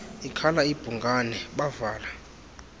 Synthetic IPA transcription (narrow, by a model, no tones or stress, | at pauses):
ikʰalaib̥ʱuŋɡʱanɛɓavaːla